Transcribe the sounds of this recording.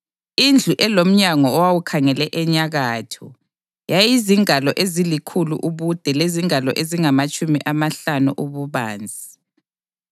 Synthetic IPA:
ind͡ɮʱuʔɛlom̩ɲaŋɔːwawukʰaŋɛlɛʔɛɲaɣaːtʰɔ̰ | jajiziŋalɔʔezilikʰulṵʔuβud̥ʱɛleziŋalɔʔeziŋamat͡ʃʼumiʔamaɬanṵʔuβuβaːnd͡zʱi

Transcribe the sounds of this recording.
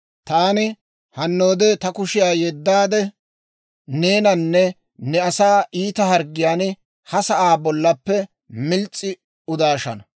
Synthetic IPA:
t̪aːnɪ | hɐnːo̞ːd̪ɛt̪ɐkʊʃɪjaːjɛd̪ːaːd̪ɛ | ne̞ːnɐnːɛ | nɛɐsaːʔiːt̪ɐhɐɾɡːɪjaːn | hɐsɐʔaːbɔlːɐpːɛ | mɪlt͡sʼːɪ | ʊd̪aːʃɐ̰nɐ

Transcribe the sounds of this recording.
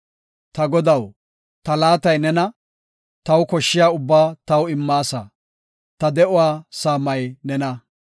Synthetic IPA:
t̪ɐɡɔd̪ɐw | t̪ɐlaːt̪ɐjnɛnɐ | t̪ɐwkɔʃːɪjaːʊbːaːt̪ɐwɪmːaːsa̰ | t̪ɐd̪ɛʔʊwaːsaːmːɐjnɛnɐ

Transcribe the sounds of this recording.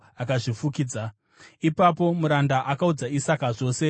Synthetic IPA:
akaʐifukiːd͡za | ipapo̞muɾandaʔakaud͡zaisakaʐo̞ːse̞

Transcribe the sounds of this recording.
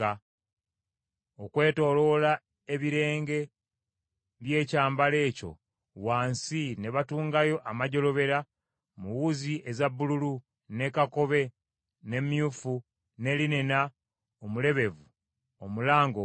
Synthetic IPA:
a | okwe̞ːto̞ːlo̞la | eβiɾe̞ːŋɡe̞ | βje̞ːcaːmbale̞ːco̞̰ | waːnsine̞βatuːŋɡajo̞ʔamaɟo̞lo̞βe̞ɾa | muwuziʔezabːululu | ne̞kako̞βe̞ | ne̞mjufu | ne̞line̞na | omule̞βe̞vu | omulaːŋɡo

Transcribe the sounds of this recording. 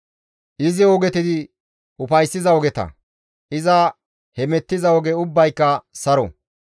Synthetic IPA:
ʔɪzɪɔɡɛt̪ɪd̪ɪ | ʊpɐjsːɪzɐɔɡɛt̪ɐ̰ | ʔɪzɐ | hɛmɛt̪ːɪzɐɔɡɛʊbːɐjkːɐsɐɾɔ̰

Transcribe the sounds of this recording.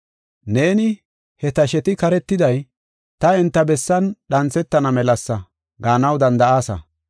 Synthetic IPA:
ne̞ːnɪ | hɛt̪ɐʃɛt̪ɪkɐɾɛt̪ːɪd̪ɐj | t̪ɐɪnt̪ːɐbɛsːɐnɗɐnt͡sːɛt̪ːɐnɐmɛlɐsːɐ | ɡaːnɐwd̪ɐnd̪ɐaːsɐ̰

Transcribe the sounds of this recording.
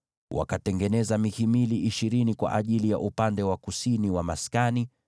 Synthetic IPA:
wa̰katɛŋɡɛnɛzamihimiliʔiʃiɾinikwa̰ʔaʄilija̰ʔupandɛwakusiniwamaskani

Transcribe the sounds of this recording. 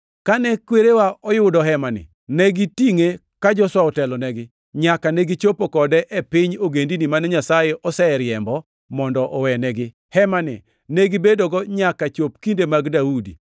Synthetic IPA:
kanɛkweɾewaʔɔjʊdɔɦɛmanɪ̰ | nɛɡitiŋe | kad͡ʒɔswaɔtɛlɔnɛɡɪ | ɲakanɛɡit͡ʃopokɔdɛʔɛpɪɲoɡendinimanɛɲasajeʔɔsɛɾjɛmbɔ | mɔndɔʔɔwɛnɛɡɪ | hɛmanɪ̰ | nɛɡibedoɡɔɲakat͡ʃop̚kindemaɡdaudḭ

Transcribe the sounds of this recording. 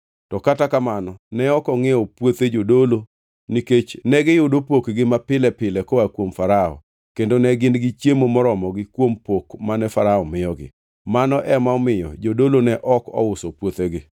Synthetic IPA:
tɔkatakamanɔnɛɔkɔŋɪɔpwot̪ed͡ʒodolo | niket͡ʃnɛɡɪjʊdopokɡɪmapɪlɛpɪlɛkɔakwomfaɾaɔ̰ | kendonɛɡɪnɡɪt͡ʃjemomɔɾɔmɔɡɪkwompokmanɛfaɾaɔmɪjɔɡɪ̰ | manɔʔɛmaɔmɪjɔ̰d͡ʒodolonɛʔɔkɔ̰ʊsɔpwot̪eɡɪ

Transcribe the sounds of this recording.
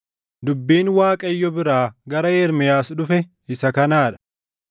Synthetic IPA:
d̪ʊbːiːnwaːkʼɐjːɔbɪɾaːɡɐɾɐeːɾmɛjaːsᶑʊfɛ | ɪsɐkɐnaːᶑɐ̥

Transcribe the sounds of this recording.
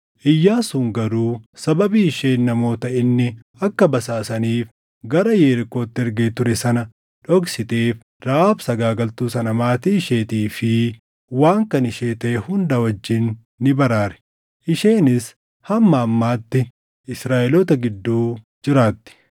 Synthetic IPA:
ʔɪjːaːsuːŋɡɐɾuːsɐbɐbiːɪʃe̞ːnːɐmo̞ːt̪ɐʔɪnːɪ | ɐkːɐbɐsaːsɐniːf | ɡɐɾɐjeːɾɪko̞ːt̪ːɪɛɾɡeːt̪ʊɾɛsɐnɐ | ᶑɔksɪt̪eːf | ɾaːbsɐɡaːɡɐlt̪uːsɐnɐmaːt̪iːɪʃeːt̪iːfɪ | waːŋkɐnɪʃeːt̪ɐʔɛhʊnd̪ɐwɐd͡ʒːɪnː | ɪbɐɾaːɾɛ̥ | ʔɪʃe̞ːnɪs | hɐmːɐːmːaːt̪ːɪ | ɪsɾaːʔɛlɔt̪ɐɡɪd̪ːuː | d͡ʒɪɾaːt̪ːɪ̥

